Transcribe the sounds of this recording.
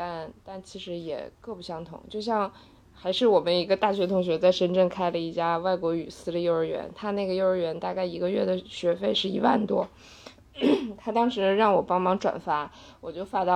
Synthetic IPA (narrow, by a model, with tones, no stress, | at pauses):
t̪a˥˧nt̪a˥˩nt͡ɕʰi˧˥ʂɻ̩˧˥jɛ̰˨˩kɤ˥˧pu˥˩ɕjɑ˧˥ŋt̪ʰʊ̰˨˧˦ŋt͡ɕjo˥˧ʊɕ̬jɑ˥˧ŋ | xa˧˥ɪʂɻ̩˥˩wɔ˨˩mə˦ni˧˥ɡə˧t̪a˥˩ɕɥɛ˧˥t̪ʰʊ˧˥ŋɕ̬ɥɛ˧˥t͡sa˥˩ɪʂə˥nʈ͡ʂə˥˩ŋkʰa˥ɪlə˨i˥˩t͡ɕja˥wa˥˩ɪkwɔ˧˥y˨˩sɹ̩˥d̪ə˧jo˥˧ʊə˞˧˥ɥɛ̰˧˥nt̪ʰa˥na˥˩ɡə˩jo˥˧ʊə˞˧˥ɥɛ˧˥nt̪a˥˧ka˥˩ɪi˧˥ɡə˧ɥɛ˥˩d̪ə˩ɕɥɛ˧˥fe˥˧ɪʂɻ̩˥˩i˧˥wa̰˥˩nt̪wɔ˥ | t̪ʰa˥t̪ɑ˥ŋʂɻ̩˧˥ʂ̩˥˧ɻɑ˥˩ŋwɔ˨˩pɑ˥ŋmɑ˧˥ŋʈ͡ʂwa̰˨˩nfa˧˥ | wɔ˨˩t͡ɕjo˥˩˧ʊfa˥t̪ɑ˥˧˩